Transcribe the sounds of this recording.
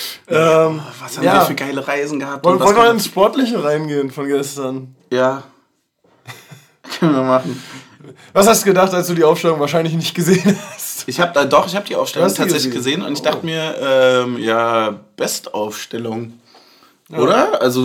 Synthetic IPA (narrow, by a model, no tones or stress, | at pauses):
ʔɛːmvashaːmaːdaːfyːɐɡaɪləʁaɪzn̩ɡəhap̚tvvɔlnvmaːlɪnsʃpɔɐtlɪçəʁaɪnɡeːənfɔnɡɛstɐn | jaː | kʰannvimaχn̩ | vashastd̥uːɡədaχtalsd̥uːdiːʔaʊfʃtɛlʊŋvaːɐʃaɪnlɪçnɪçt̚ɡ̥əzeːənhastʔɪçhaːbədadɔχɪçhaːbəd̥iːʔa̰ʊfʃtɛlhastʰaːtzɛçlɪçɡəzeːənʊ̰ntɪçd̥aχtəmiːɐʔɛːmjaːb̥ɛstʔaʊfʃtɛlʊŋ | ʔoːɾɐʔalzo